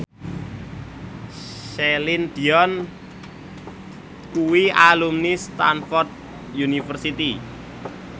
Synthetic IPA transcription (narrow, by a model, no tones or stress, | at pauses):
ʃelind̪̥iɔn | kuwialumnist̪anfɔrt̪̚ | junifərsit̪i